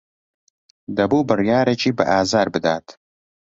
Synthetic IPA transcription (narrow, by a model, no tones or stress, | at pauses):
d̪ɐbuːbɨrjɑːɾet͡ʃʰiːbɐ̰ʔaːzaːɾbɨd̪aːt̪